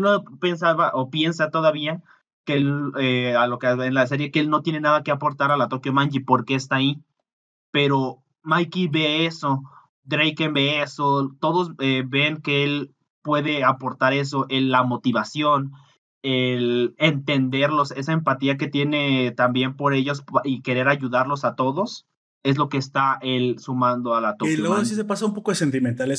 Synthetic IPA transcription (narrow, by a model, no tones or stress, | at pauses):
nope̞nsaβaʔo̞pje̞nsat̪o̞ðaβia | keelealo̞keaenlas̬e̞ɾje̞keelno̞t̪je̞ne̞naðake̞apo̞ɾt̪aɾalat̪o̞kjomãnd͡ʒipo̞ɾke̞ːst̪ai | pe̞ɾo̞ | majkiβe̞eso̞ | d̪ɾejkembe̞eso̞t̪o̞ðo̞zeβe̞ŋke̞el | pwe̞ðe̞apo̞ɾt̪aɾe̞s̬o̞ʔe̞lːamo̞t̪iβasjo̞n | elent̪e̞nd̪e̞ɾlo̞se̞saempat̪iak̬e̞t̪je̞ne̞t̪ambje̞mpo̞ɾe̞ʝo̞sʔike̞ɾe̞ɾaʝuðaɾlo̞sat̪o̞ðo̞s | e̞z̬lokeːst̪aʔe̞lsumãnd̪oalat̪olweɣoasisepasaumpokoðesent̪̬imẽnt̪ales